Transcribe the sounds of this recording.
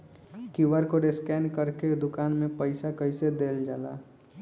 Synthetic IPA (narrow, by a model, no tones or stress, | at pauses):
kiʋəɾkoɖeskɛːnkəɾked̪ʊkaːnmẽpəɪsakəɪsed̪eːld͡ʒaːla̰ː